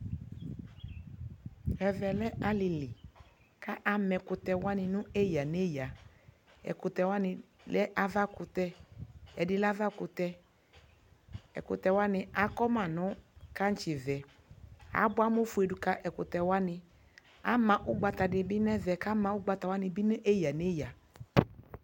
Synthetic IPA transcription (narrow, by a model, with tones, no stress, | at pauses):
ɛ˨vɛ˨lɛ˦a˨lɪ˨lɪ˨ | ka˦ʔa˨mɛ˨kʊ˨tɛ˨wa˦nɪ˨nʊ̃˦e˦ja˨ne˦ja˨ | ɛ̰˨kʊ˨tɛ˨wa˦nɪ̃˨ | lɛ˦ʔa˨va˦kʊ˨t̪ɛ˦ɛ˨dɪ˨la˦va˦kʊ˨tɛ˧ | ɛ̰˨kʊ̰˨tɛ˨wa˦nɪ˨a˨kɔ˦mã˨nʊ̃˦ka˦n̩˦t͡ʃɪ˨vɛ˨ | a̰˨˦bʊ˦a˦mʊ˦fu˨e˨du˨ka˦ʔɛ˨kʊ˨t̪ɛ˨wa˦nɪ˨ | a˨˦mã˨ʔʊ˦ɡ͡ba˨t̪a˨dɪ˨bɪ˦nɛ˦vɛ˨ka˦mã˨ʊ˦ɡ͡ba˨t̪a˨wa˦nɪ˨bɪ˦nʊ̃˦ʔe˦ja˨ne˦ja˨